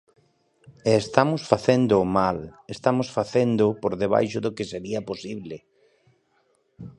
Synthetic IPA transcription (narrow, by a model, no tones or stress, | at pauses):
eːst̪amʊsfaθend̪omalest̪amosfaθend̪ʊpoɾðeβ̞a̰jʃoðokeseɾiaposiβle